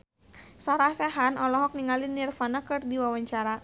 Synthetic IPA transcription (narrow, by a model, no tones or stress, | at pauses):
sɔɾahsɛɦanɔlɔɦɔk̚niŋalinirfanakɨrdiwawaɲt͡ʃaɾa